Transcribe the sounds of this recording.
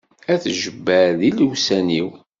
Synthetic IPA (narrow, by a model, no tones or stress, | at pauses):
æθʒəbːəðiləwsæniw